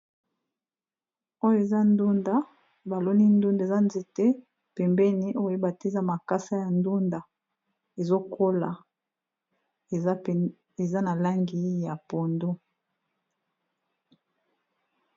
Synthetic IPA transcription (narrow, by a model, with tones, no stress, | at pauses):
o˦jo˦e˨za˦ndu˦nda˦ | ba˨lo˦ni˦ndu˦nda˨za˦nze˨te˦ | pɛ˨mbɛ˦ni˦ʔo˦o˦e˦ba˨te˦˨za˦ma˨ka˦sa˦ja˨ndu˦nda˨ | e˨zo˦kʰo˦la̰˨ | e˨˦ | e˨za˦na˨la˦ŋɡi˨˦ja˨po˨ndo˦